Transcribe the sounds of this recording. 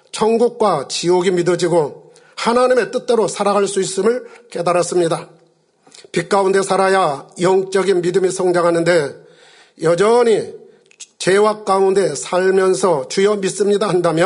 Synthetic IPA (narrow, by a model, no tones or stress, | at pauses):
t͡ɕʰʌŋɡuk̚k͈wat͡ɕioɡimidʌd͡ʑiɡo | hanaɲime̞t͈ɯt̚t͈eɾosʰaɾaɡaɭs͈uis͈ɯmɯɭke̞daɾas͈ɯmɲida | pik͈̚aunde̞sʰaɾajajʌŋt͡ɕ͈ʌɡinmidɯmisʰʌŋd͡ʑaŋɦanɯnde̞ | jʌd͡ʑʌɲi | t͡ɕe̞wak̚k͈aunde̞sʰaɭmjʌnsʰʌt͡ɕujʌmis͈ɯmɲidahandamjʌ